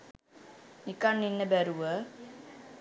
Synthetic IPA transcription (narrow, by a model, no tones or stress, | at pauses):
nikanːinːəbæɾuʋə